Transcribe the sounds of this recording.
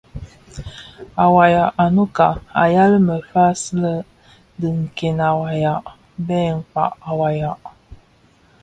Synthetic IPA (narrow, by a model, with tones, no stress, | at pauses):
a˨wa˨ja˨ʔa˨nu˦ka˨a˨ja˦lə˦mə˨fa˦slə˦ | də˨ŋ̩˨ke˨na˨wa˨ja˨ʔ | bɛ˦˨ŋ̩˨k͡pa̰˨ʔa˨wa˨ja˨ʔ